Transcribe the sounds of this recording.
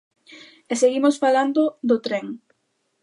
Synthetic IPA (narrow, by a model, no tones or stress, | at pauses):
eseɣimosfaland̪od̪ot̪ɾeŋ